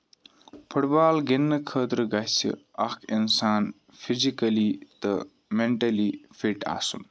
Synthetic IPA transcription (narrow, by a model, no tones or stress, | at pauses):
pʰəɽbaːlɡenːɐkʰəːt̪ɾɨɡɐsḭɐkinsaːn | fʰizikɐlit̪ɨ | meɳʈɐlifʰiʈa̰ːsun